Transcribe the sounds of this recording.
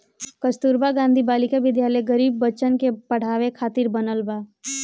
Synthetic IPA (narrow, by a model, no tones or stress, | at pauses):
kəst̪uːɾbaɡãːnd̪ʱibaːlikeʋɪd̪jaːləjɡəɾiːbːət͡ʃənkepɐɽ̤aːʋekʰaːt̪ɪɾbənəlbaː